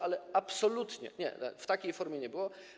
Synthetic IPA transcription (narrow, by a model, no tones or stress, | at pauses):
ʔalɛapsɔlut̪ɲɛ̰ɲɛ̰a̰ft̪akʲejfɔɾmʲjɛɲɛbɘwɔ